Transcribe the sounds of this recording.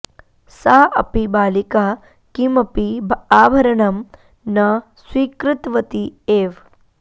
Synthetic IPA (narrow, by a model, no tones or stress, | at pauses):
saːʔɐpibaːlikaː | kimɐpibaːbʱɐɾɐnɐm | nɐswiːkɾɪt̪ʋɐt̪ieːʋ